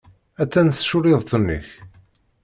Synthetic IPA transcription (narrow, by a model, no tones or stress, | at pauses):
æt͡sːænθʃʊɾɪðˤt̪ənːḭç